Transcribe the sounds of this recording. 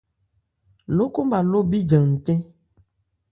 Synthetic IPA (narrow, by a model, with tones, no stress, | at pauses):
lo˦ko˦mba˨lo˦bi˦d͡ʒə˨ŋ̩˨tɛ̃˦